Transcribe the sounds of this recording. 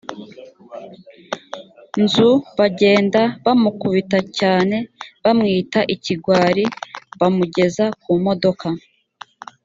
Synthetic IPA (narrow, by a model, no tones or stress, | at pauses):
nzuβaɟe̞ːndaβamukuβitacaːne̞βamŋiːtaʔiciɡwaːɾiβamuɟe̞zakumo̞do̞ka